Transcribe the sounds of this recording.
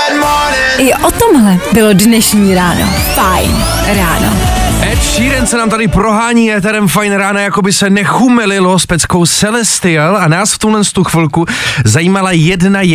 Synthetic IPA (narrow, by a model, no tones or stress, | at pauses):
mɔ | ʔɪʔot̪omɦlɛbɪlodnɛʃɲiːɾaːno̰ | fajn | ɾaːno̰ʔɛt̪ʃiːɾɛnt͡sɛnaːmt̪adɪpɾo̞ɦaːɲiːɛt̪̬ɛɾɛmfajnɾaːnajakobɪsɛnɛxumɛlɪlo̞spɛt͡sko̞wsɛlɛst̪ɪɛlanaːsft̪ulɛnst̪uxvɪlkuzajiːmalajɛdnaj